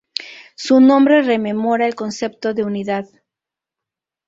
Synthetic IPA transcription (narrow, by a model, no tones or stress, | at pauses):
sunõmbɾereme̞moɾaelkonsep̚t̪oðeuniðað